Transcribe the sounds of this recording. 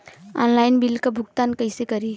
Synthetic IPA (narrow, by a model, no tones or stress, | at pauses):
ɔnlaːɪnbilkabʱʊɡt̪aːnkəɪsekəɾi